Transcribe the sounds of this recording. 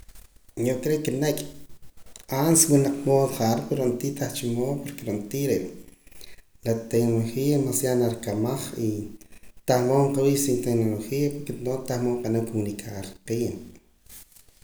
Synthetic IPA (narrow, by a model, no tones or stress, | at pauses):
ɲokɾekinekʼ | aːnswunaq͡χmoːðχaʔɾpeɾont̪iːt̪aχt͡ʃimoːpoɾkeɾont̪iɾeʔ | lat̪eknoloχiːamasjanaɾkamaχi | t̪aχmoːɴqawiːsint̪eknoloχiːapoɾkeot̪aχmoːɴqʼanakomunikʰaɾqiːn